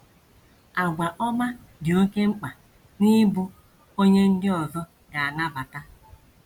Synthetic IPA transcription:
a˨ɡʷa˨ʔɔ˦ma˦ | dɪ˨o˦ke˦ŋ͡m̩˦k͡pa˨ | ni˦bʊ˦ | o˦ɲe˦n̩˦dɪ˦ɔ˨zɔ˦ | ɡa˨a˨na˦ba˨ta˦

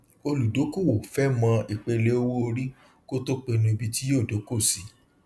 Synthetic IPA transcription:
o˧lu˨do˨˦ko˦˨wo˨fɛ˦mã˧i˨k͡pe˧le˦o˦wo˦o˧ɾi˦ | ko˦to˦k͡pe˧nũ˧i˧bi˧ti˦joː˦˨do˨˦ko˦˨si˨˦

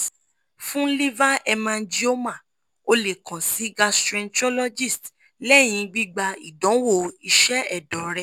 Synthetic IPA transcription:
fũ˦li˦va˦ɛ˧mã˧n̩˦d͡ʒi˦o˦mã˦˨ | o˧le˨kã˨si˨˦ɡa˧stɾɛ̃˧ntɔ˦lɔ˦d͡ʒi˦˨st | lɛ˦˨j̃ĩ˧ɡ͡bi˦ɡ͡ba˧i˨dɔ̃˨˦wo˦˨i˧ʃɛ˦ɛ˦˨dɔ˨ɾɛ˧

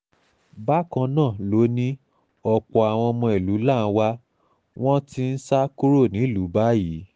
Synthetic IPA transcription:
ba˦kã˧nãː˦˨lo˨˦nĩ˦ | ɔ˧k͡pɔ˨a˨w̃ɔ̃˧mɔ̃˧i˨lu˨˦la˦˨n̩˦wa˦ | w̃ɔ̃˦ti˧n̩˦sa˦ku˦ɾo˦˨nĩ˨˦˨lu˨˦ba˦ji˨˦

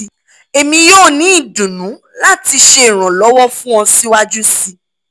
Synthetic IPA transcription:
e˧mĩ˧joː˦˨nĩ˦i˦˨dũ˨nũ˨˦ | la˦ti˧ʃe˧˨ɾ̃ã˨lɔ˨˦wɔ˦fũ˦ɔ̃˧si˦wa˦d͡ʒu˦si˧

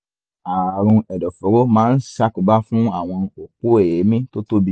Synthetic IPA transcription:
a˨ɾ̃ũ˧ɛ˨dɔ˨fo˨˦ɾo˦mãː˨˦n̩˦ʃa˦ku˨˦ba˦fũ˦a˦˨w̃ɔ̃˧o˨k͡po˦e˦˨je˨˦mĩ˦to˦to˦bi˦

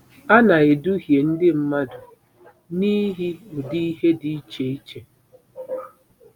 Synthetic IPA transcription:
a˦na˨ɪ˨du˦ɦje˨n̩˦dɪ˦m̩˦ma˦dʊ˨ | ni˦ɦi˦ʊ˨di˦i˦ɦe˦di˨i˦t͡ʃe˨i˦t͡ʃe˨

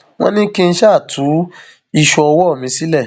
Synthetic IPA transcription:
w̃ɔ̰̃˦nĩ˦kĩ˦n̩˧˦ʃa˦˨tʰu˨˦ | i˧ʃɔ˧ɔ˧wɔ˦˨mĩ˧˦si˦lɛ˦˨

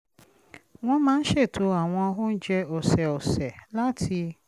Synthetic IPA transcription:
w̃ɔ̃˦mãː˦ʃe˦˨tʰo˨˦a˦˨w̃ɔ̃˧ko˦n̩˦d͡ʒɛ˧ɔ˨sɛ˨ɔ˨sɛ˨la˦tʰi˧

